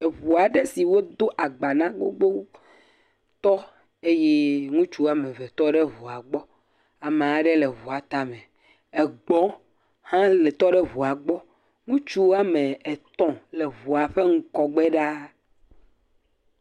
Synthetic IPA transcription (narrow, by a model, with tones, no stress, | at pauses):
e˨βu˨a˨ɖe˦si˨wo˦d̪o˦ʔa˨ɡ͡ba˨nã˦ɡ͡bo̰˦ɡ͡bo˦ | t̪ɔ˦ | e˦jɛ˦ŋũ˦t͡ʃu˦a˦mẽ˨vɛ˨t̪ɔ˦ɖe˦vu˨a˨ɡ͡bɔ˦ | a˨me˨a˨ɖe˦le˨βu˨a˨t̪a˦mɛ̃˨ | e˨ɡ͡bɔ̃˦ | hã˦le˨t̪ɔ˦ɖɛ˦βu˨a˨ɡ͡bɔ˦ | ŋũ˦t͡ʃu˦a˦mẽ˨e˨t̪ɔ̃˦le˨βu˨a˨ɸe˦ŋ̩˦kɔ˦ɡ͡bɛ˦ɖa˦